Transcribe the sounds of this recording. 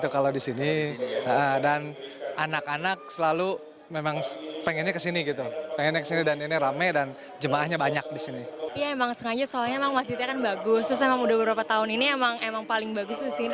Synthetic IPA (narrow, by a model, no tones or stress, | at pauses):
t̪ukaladisiniəʔədananakanak̚səlalu | memaŋpeŋɛnɲakəsiniɡit̪upeŋɛnɲakə̥sinidaniniɾamadan | d͡ʒəmaahɲabaɲak̚disinijaemaŋsəŋad͡ʒasolaɲaemaŋmasiit̪iakanbaɡʊst̪ɾʊs̬emaŋudahbəbɾapat̪aʊniniemaŋemaŋpalɪŋbaɡʊst̪usɪ